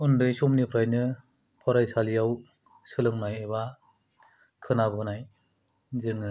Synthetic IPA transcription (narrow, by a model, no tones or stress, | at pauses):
undɯjsɔmnipʰɾajnɯ | pʰɔɾajsalijaw | sɯlɯŋnajeβa | kʰɯnabɯnaj | zɯŋɯ